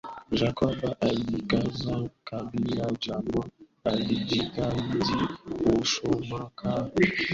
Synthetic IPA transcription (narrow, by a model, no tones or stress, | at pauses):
d͡ʒakabaʔalikazãkabilad͡ʒama | alid͡ʒikadioʃomakʰa